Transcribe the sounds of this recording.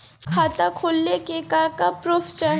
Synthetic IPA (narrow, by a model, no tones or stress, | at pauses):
kʰaːt̪akʰolnekekaːɾkapɾoːpʰt͡ʃə